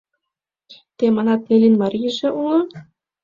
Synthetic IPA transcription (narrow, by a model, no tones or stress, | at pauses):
t̪emɑnɑt̪̚nelʲinmɑɾʲijʒĕʔulˠɤ̆